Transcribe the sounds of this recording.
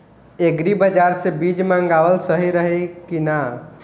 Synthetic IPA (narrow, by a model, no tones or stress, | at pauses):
eɡɾibəd͡ʒaɾsebid͡ʒmãŋɡaʋəlsəɦiɾəɦekina